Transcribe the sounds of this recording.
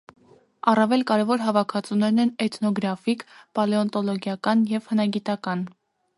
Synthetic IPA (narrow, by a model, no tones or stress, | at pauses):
ɑrɑvɛlkɑɾɛvɔɾɦɑvɑkʰɑt͡sunɛɾnɛnɛt̪nɔɡɾɑfikpɑlɛɔnt̪ɔlɔɡjɑkɑnjɛvhənɑɡit̪ɑkɑn